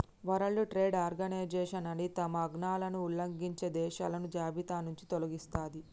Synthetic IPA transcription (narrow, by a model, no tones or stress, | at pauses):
ʋɐɾɐɭːuʈɾeːɖaːɾɡɐnɐjd͡ʒɛːʃɐnɐnit̪ɐmɐːɡnaːlɐnuulːɐŋɡiɲt͡ʃed̪ɛːʃa̰ːlɐnud͡ʒaːbit̪aːnuɲt͡ʃit̪olɐɡist̪aːd̪i